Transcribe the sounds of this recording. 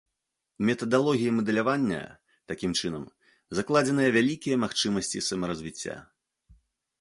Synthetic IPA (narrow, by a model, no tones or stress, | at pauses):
mʲɛt̪ɐd̪alˠɔɣʲijɐmɐd̪ɛlʲavanʲːɐ̰ | t̪akʲimt͡ʂɨnɐm | zaklˠad͡zʲɛnɨjɐvʲalʲikʲijɐmaxt͡ʂɨmɐsʲt͡sʲḭsɐmɐɾɐzʲvʲit͡sʲːa̰